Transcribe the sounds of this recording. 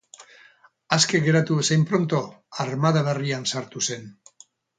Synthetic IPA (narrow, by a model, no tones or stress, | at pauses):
aske̞ɣe̞ɾat̪uesajmpɾo̞nt̪o̞ | aɾmaðaβeriansaɾt̪use̞n